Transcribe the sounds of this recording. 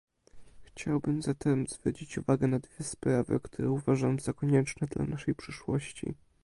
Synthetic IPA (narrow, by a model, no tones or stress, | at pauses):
xt͡ɕawbɘmzat̪ʰɛmzvɾɔt͡ɕit͡ɕuvaɡɛnad̪vʲjɛspɾavɘ̰kt̪ʰuɾɛuvaʐamzɔkɔɲɛt͡ʂnɛd̪la̰naʂɛjpʂɘʂwɔɕt͡ɕḭ